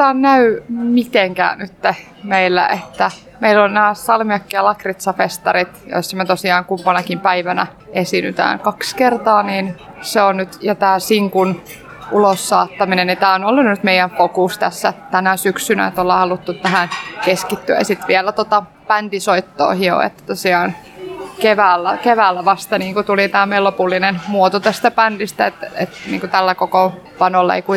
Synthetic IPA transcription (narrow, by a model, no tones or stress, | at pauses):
t̪ænnæymit̪eŋkæ̰ːnyt̪ːe | meilːæ̰ʔet̪ːæ | meilːonnæːsɑlmiɑkːiɑlɑkrit̪sɑfest̪ɑrit̪jo̰isːɑmet̪osiɑːŋkumpɑnɑkimpæiʋænæ̰ | esinyt̪æ̰ːŋkɑkskert̪ɑːniːn | seonnyt̪jɑt̪æːsiŋkun | ulosːɑːt̪ːɑminennit̪æːonolːunnyt̪meijæɱfokust̪æsːæt̪ænæsyksynæ̰et̪olːɑhɑlut̪ːut̪t̪æhænkeskit̪ːyæ̰sit̪ʋielːæt̪ot̪ɑ | pænt̪isoit̪ːo̰ːhio̰ḛt̪ːæ̥t̪osiɑːn | keʋæːlːækeʋæːlːæʋɑst̪ɑniːŋkut̪ulit̪æːmeilopulːinenmuot̪ot̪æst̪æpændist̪æet̪ḛt̪niːŋkot̪ælːækokopɑnolːɑḛikui